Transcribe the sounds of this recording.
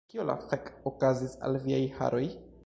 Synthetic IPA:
kiolʔa̰fekokazisa̰lviajha̰ɾo̞j

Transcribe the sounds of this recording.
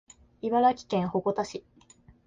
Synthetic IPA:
iβaɾakʲi̥kẽ̞ɰ̃ho̞ɡo̞t̪aɕi

